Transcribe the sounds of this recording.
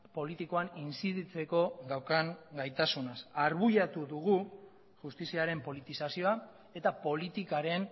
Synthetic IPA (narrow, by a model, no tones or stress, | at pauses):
po̞lit̪iko̞aninsiðit͡se̞ko̞ðawkaŋɡajt̪asunasaɾβuʎat̪uðuɣu | ʝust̪isiaɾe̞mpo̞lit̪isasio̞a | e̞t̪apo̞lit̪ikaɾe̞n